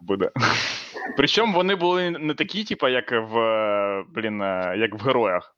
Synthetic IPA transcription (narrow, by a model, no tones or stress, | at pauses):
bud̪ɛ | pɾɪt͡ʃɔmʋɔnɪbʊlˠɪnɛt̪ɐkʲitʲipɐjɐkʋ | blʲinɐjɐkʋɦeɾɔjɐx